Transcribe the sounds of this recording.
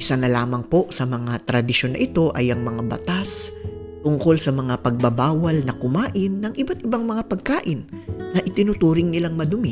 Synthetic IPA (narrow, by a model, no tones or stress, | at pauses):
ʔɪsanɐlaːmɐŋpo̞ʔsɐmɐŋat̪ɾɐd̪ɪʃonːɐ̰ʔɪt̪o̞ʔɐjʔɐŋmɐŋabɐ̰t̪as | t̪ʊŋko̞lsɐmɐŋapɐɡ̚bɐbaːwɐlnɐkʊmaːʔɪnːɐŋʔɪbat̪̚ɪbaŋmɐŋapɐɡ̚kaːʔɪnː | ɐʔɪt̪ɪnʊt̪uːɾɪŋnɪlaŋmɐd̪ʊmɪ